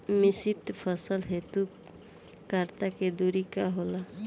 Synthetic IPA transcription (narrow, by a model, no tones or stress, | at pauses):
mɪsiʈpʰəsəlɦet̪u | kaɾt̪aked̪uɾikaɦola